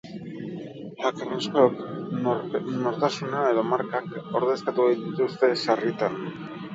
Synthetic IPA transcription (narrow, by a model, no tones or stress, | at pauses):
hakereskok | no̞ɾt̪asunae̞ðo̞maɾkako̞ɾðe̞skat̪uɣajt̪it̪ust̪e̞sarit̪an